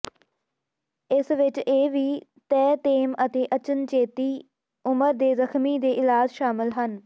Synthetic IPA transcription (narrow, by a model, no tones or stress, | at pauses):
ɪsʋɪt͡ʃeːʋiːt̪ɛːt̪eːmət̪eːʔət͡ʃənt͡ʃeːt̪iː | ʊməɾd̪eːzəxʰmiːd̪eːʔɪlaːd͡ʒʃaːmɪlɦən